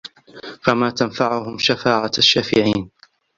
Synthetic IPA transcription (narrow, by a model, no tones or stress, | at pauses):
famaːt̪anfaʕʊhʊmʃafaːʕaaʃːaːfɪ̰ʕiːn